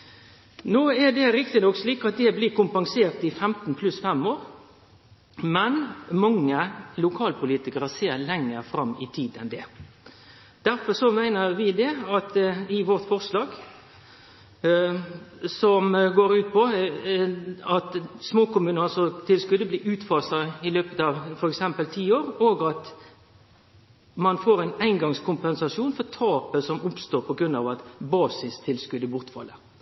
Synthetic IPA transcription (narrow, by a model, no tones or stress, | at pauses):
noːɛd̪ɛɾɪkt̪ɪnɔksliːkɑt̪̚d̪ɛbliːkʊmpɑŋseːɾt̪ɪfɛmt̪n̩pʰlʉsfɛmoːɾ | mɛnmɑŋːəlʊkʰɑːlpʰʊliːt̪ɪkəɾəseːɾlɛŋːəɾfɾɑmːɪt̪ʰiːd̪ɛ̰nd̪ɛ | d̪̥æɾfɔʂɔmæɪnəɾʋɪd̪ɛɑt̪ɪʋɔʁt̪fɔʁslɑːɡ | sɔmɡoːɾʉːt̪̚pʰɔ | ɑt̪smoːkʊmʉːnəsɔt̪ʰɪlskʉd̪əbliːʉːt̪fɑːsɑɪløːpət̪ɑʋfɔɾɛksɛmpəlt̪ʰiːoːɾoːɡɑt̪ | mɑnfoːɾæɪnæɪnɡɑŋskʰʊmpɛnsɑʂjuːnfɔt̪ʰɑːpəsɔmʊpst̪oːɾpʰɔɡɾʉnɑ̰ːʋɑt̪bɑːsɪst̪ʰɪlskʉd̪əbʊʁt̪fɑ̰lːə